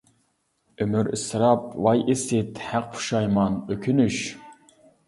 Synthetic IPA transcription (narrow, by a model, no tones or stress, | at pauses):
ømyɾḭsɨɾɑp̚wɑjʔisɪt̪hæq̚pʰu̥ʃɑjmɑnøkʲʰynyʃ